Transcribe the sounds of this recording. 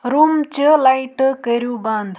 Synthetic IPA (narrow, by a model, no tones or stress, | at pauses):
ɾumt͡ʃəlajʈkəɾjuband̪ʱ